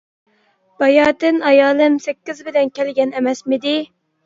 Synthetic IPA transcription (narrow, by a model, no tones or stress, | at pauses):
b̥ɑjɑːt̪ɨnɑjɑːlˠɨmsɛkʲːɪzbɪlɛnkʲʰɛlɡʲɛnɛmɛsmɪd̪ɪ